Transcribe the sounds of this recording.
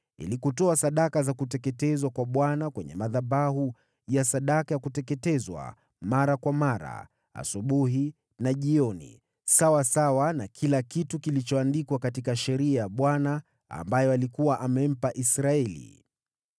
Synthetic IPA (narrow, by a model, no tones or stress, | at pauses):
ḭlikutɔasaɗakazakutɛkɛtɛzwakwaɓwanakwɛɲɛ̰maðabaɦu | jasaɗakajakutɛkɛtɛzwa̰ | maɾakwamaɾa̰ | a̰suɓuɦi | naʄiɔnḭ | sawasawanakʰilakitukilit͡ʃɔandikwakatikaʃɛɾiajaɓwana | a̰mbajɔalikuwaʔamɛm̩paʔisɾaɛlḭ